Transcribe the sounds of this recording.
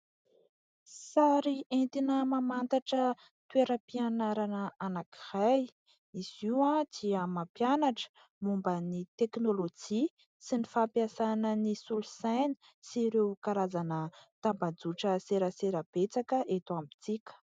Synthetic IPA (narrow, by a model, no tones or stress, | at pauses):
saɾient̪inəmamant̪aʈ͡ʂə | t̪weɾəpianaɾanəanaki̥raj | isiwad̪̥iəmapjanaʈ͡ʂə̥ | mumbənit̪eknolod͡ʒi | sinifapjasanənisulusajnə̥ | siɾewkaɾazanət̪ambad͡zuʈ͡ʂəseɾəseɾəb̥et͡sakəʔet̪uambit͡sikʲə̥